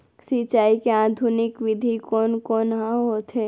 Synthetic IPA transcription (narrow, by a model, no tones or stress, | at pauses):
sit͡ʃaːikeaːd̪ʱunɪkʋɪd̪ʱikoːnkoːnɦãɦoːt̪ɦeː